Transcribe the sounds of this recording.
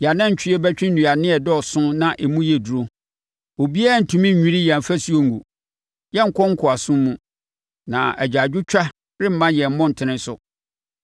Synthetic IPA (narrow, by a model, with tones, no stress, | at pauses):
ja˨nã˦ɲ̩˨t͡ɕʰᶣɪ˦ɛ˦bɛ˦t͡ɕᶣɪ̃˦n̩˦˨ũ˨a˨nɪ̃˦ɛ˨dɔ˦ɔ˨sʊ̃˦nã˨ʔe˨mũ˦jɛ˨du˨ɾo˦ | o˨bi˦a˦n̩˨tʰũ˨mĩ˦˨ĩ˦ɾi˦jã˨m˨fæ˦si˦o˨ŋ̩˨ɡṵ˨ | jɛ˦ŋ̩˨kʰɔ̃˦ŋ̩˦kʰʊ˨a˨sʊ̃˦mũ˦ | nã̰˨æ̰˨d͡ʑᶣa˨d͡ʑᶣʊ˦t͡ɕᶣa˦ | ɾɪ˦m̩˦mã˦jɛ˨m̩˦mɔ̃˦n̩˨tʰɪ̃˨nɪ̃˦sʊ̰˨